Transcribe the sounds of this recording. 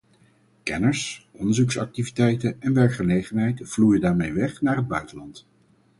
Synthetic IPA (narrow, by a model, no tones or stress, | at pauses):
kɛ̰nəɹsɔndəɹzuksɑ̰k̚tivitɛjtənɛnʋɛɹkχəlejχənɦɛjtv̥lujədaːɹmejʋɛχnaːɹɦəd̚bœɥtəlɑnt